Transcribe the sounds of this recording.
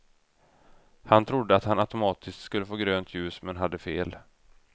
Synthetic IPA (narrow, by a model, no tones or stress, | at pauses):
hant̪ʰɾʊd̪ːəat̪hanat̪ʊmɑːt̪ʰɪst̪skɵlːəfoːɡɾøːnt̪ʰjʉ̟ːsmɛnɦad̪ːəfeːl